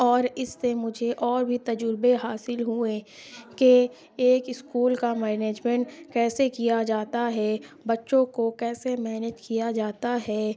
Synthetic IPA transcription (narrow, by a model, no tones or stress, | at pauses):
ɔːɾɪsːemʊd͡ʒʱeʔɔːɾbʱit̪ɐd͡ʒʊɾbeɦaːsɪlɦuẽkeː | kɪskuːlkamɛːneːd͡ʒmɛ̃ɳʈkɛːsekijad͡ʒaːt̪aɦɛ | bɐtːʃõkokɛːsemɛːned͡ʒkijad͡ʒaːt̪aɦɛː